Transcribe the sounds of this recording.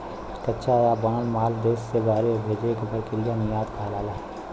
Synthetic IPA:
kɐtːʃʰajabãːlmaːld̪eːsːebaːɾebʱeːd͡ʒekepəɾkelijenijaːt̪kʰaːlaːlaː

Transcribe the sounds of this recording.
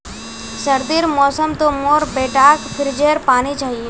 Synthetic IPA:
səɾd̪iːɾmɔːsəmt̪omoːɾbeːʈaːkpʰɪɾd͡ʒeːɾpaːnit͡ʃaːɦieː

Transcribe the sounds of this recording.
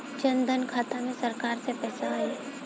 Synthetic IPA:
t͡ʃənd̪ənkʰaːt̪amẽsəɾkaːɾsepɛːsaae

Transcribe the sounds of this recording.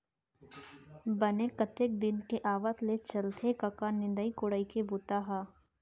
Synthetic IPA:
bɐnekɐt̪ek̚d̪ɪnkeʔaːʋət̪let͡ʃɐlt̪ʰekɐkanɪ̃nd̪əikʊɽəikebʊt̪aɦaː

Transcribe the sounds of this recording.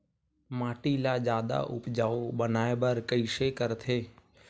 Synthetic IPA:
maːʈilad͡ʒaːd̪a̰ʔʊ̰pd͡ʒaːobənaːebəɾkəɪʃekəɾt̪ʰeː

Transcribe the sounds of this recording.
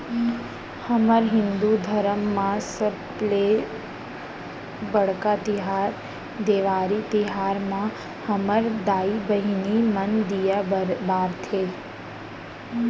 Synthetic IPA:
həməɾɦɪnd̪ud̪ʱəɾəmːãsəble | bəɽkat̪iɦaɾ | d̪eʋaɾit̪iɦaɾmã | həməɾd̪aibəɦinimənd̪ijabaɾt̪ʰe

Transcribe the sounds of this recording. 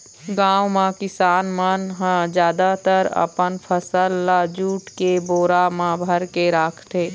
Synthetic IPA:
ɡãːwmãkɪsaːnmənɦãd͡ʒjaːd̪at̪əɾə̰pənpʰəsəlːad͡ʒuːʈkeboːɾamãbʱəɾkeɾaːkʰt̪eː

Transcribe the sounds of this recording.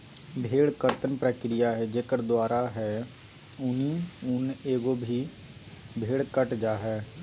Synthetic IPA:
bʱeːɽkəɾt̪ənpɾəkɾɪjaɦɛd͡ʒeːkəɾd̪waːɾaɦɛ | ʊniʊneːɡobʱi | bʱeːɽkəʈd͡ʒaːɦɛː

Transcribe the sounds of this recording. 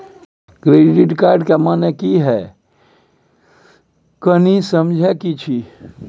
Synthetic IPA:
kɾeːɖɪʈkaːɾɖkemaːnekiɦɛ | kənisəmd͡ʒʱɛkit͡ʃʰi

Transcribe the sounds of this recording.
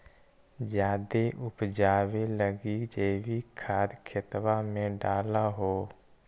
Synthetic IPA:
d͡ʒjaːd̪eʔʊpd͡ʒaːweləɡid͡ʒeːbʱikʰaːd̪kʰɪt̪wamẽɖaːlaɦoː

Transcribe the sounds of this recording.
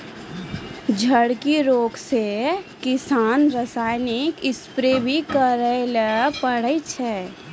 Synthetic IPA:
d͡ʒʱəɽkiɾoːɡsekɪsaːnɾəsaːɪnɪkɪspɾebʱikəɾələpəɽəjt͡ʃʰɛː

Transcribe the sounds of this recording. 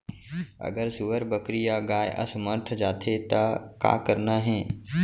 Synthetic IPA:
ɐ̰ɡəɾsuʋəɾbəkɾijaɡaːjʔɐ̰səməɾt̪ʰd͡ʒaːt̪ʰet̪aka̰ːkəɾnaɦɛ̃ː

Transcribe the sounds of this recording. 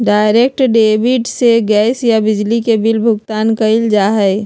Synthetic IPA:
ɖaːɪɾek̚ʈɖeːbɪɖseɡɛːsjabɪd͡ʒlikebɪlbʱʊɡt̪aːnkəɪld͡ʒaːɦɛɪ

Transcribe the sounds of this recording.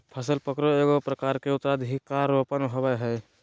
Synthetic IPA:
pʰəsəlpəkɾoeɡopɾəkaːɾkeʊt̪ɾad̪ʱɦikːaɾopənɦobeɦɛː

